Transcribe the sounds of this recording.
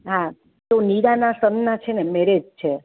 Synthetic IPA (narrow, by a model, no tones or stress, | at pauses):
ɦã | t̪oniɾanasənnat͡ʃʰenemɛɾed͡ʒt͡ʃʰe